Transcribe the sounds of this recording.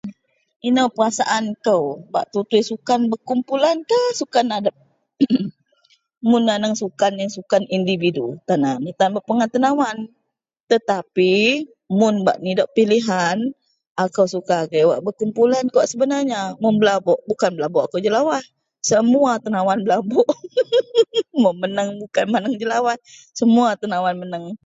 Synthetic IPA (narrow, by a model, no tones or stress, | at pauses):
inəpərasaʔankəwba̰ʔt̪ut̪ujsukanbəkumpulankahsukanadəp̚ | mʊnːanəŋsukanjaŋsukanindividut̪anamit̪anbəʔpəŋant̪ənawan | t̪ət̪api | mʊnba̰ʔnidɔʔpiliɦan | akawsukakawaʔbəkumpulankəwaʔsəbənarɲamʊŋbəlabɔʔbukanbəlabɔʔakawd͡ʒəlawah | səmuat̪ənawanbəlabɔʔ | mɔmənəŋbukanmanəŋd͡ʒəlawa | səmuat̪ənawanmənəŋ